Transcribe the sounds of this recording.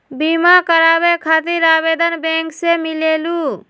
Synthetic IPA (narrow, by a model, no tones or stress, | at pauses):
bimakəɾabekʰat̪iɾabed̪ənbẽŋksemilelu